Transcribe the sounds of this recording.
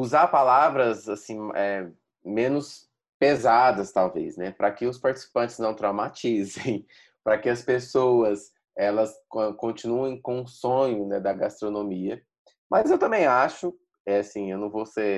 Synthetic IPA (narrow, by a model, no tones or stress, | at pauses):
uzaɾpalavɾɐzasĩmɛ | mẽnʊs | pezad̪ɐst̪awvḛsnɛpɾɐkɪʊspaɾt͡ʃɪ̥si̥pɐ̃nt͡ʃɪ̥znɐ̃w̃t̪ɾawmat͡ʃizẽj̃ | pɾɐkɪɐspesowɐs | ɛlɐskõkõt͡ʃĩnuẽj̃kõũsõɲʊnɛd̪ɐɡast̪ɾonõmiɐ | mʔɐzewt̪ɐ̃mbẽj̃aʃʊ | ɛasĩewnɐ̃w̃vose